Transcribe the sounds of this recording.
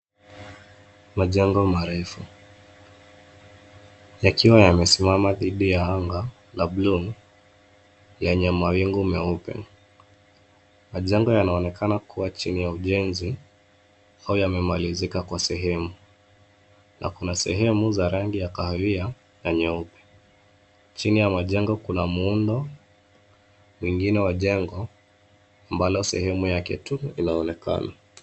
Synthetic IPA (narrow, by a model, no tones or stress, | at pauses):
maʄɛŋɡɔmaɾɛfu | jakiwajamɛsimamaðiɗijaaŋɡa | labluŋ | lɛɲɛmawiŋɡumɛupɛ̰ | maʄɛŋɡɔjanaɔnɛkanakʰuwat͡ʃinijauʄɛnzi | aujamɛmalizikakwasɛɦɛmu | nʔa̰kunasɛɦɛmuzaɾaŋɡijakahaia | naɲɛupɛ̥ | t͡ʃinijamaʄɛŋɡɔkunamuundɔ | mwiŋɡinɛwaʄɛŋɡɔ | ambalɔsɛhɛmujakɛ̰tuinaɔnɛka̰na